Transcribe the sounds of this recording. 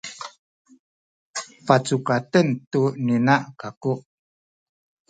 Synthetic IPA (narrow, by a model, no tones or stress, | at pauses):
fat͡sukatəntuninaʔkakuʔ